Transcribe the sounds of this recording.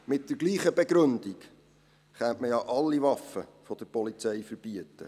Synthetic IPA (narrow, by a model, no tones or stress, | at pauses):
mɪt̚d̥əɾɡliːχəbeɡɾɵndik | χɛntməjɑʔɑlːiʋɑfəfɔd̥əɾpɔlit͡sɛjfəɾb̥iətːə̰